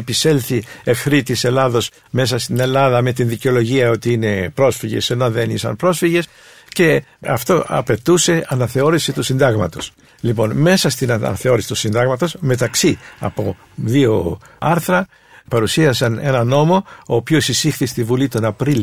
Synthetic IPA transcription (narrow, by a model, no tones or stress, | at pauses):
pise̞lθiefθɾit̪ise̞lɐðo̞s | me̞sɐst̪ine̞lɐðɐme̞t̪inðiceo̞lo̞ʝiɐo̞t̪iine̞pɾo̞sfiʝe̞̰senoðe̞nisɐ̰npɾo̞sfiʝe̞s | ce̞ɐ̰ft̪o̞ʔɐ̰pe̞t̪use̞ɐnɐθe̞o̞ɾisit̪usind̪ɐɣmɐt̪o̞s | lipo̞nme̞sɐst̪inɐ̰nɐθe̞o̞ɾisi̥t̪usind̪ɐɣmɐt̪o̞sme̞t̪ɐksiɐ̰po̞ | ðio̞ | ɐɾθɾɐ | pɐɾusiɐsɐne̞nɐno̞mo̞oːpiosisixθist̪ivulit̪o̞nɐpɾil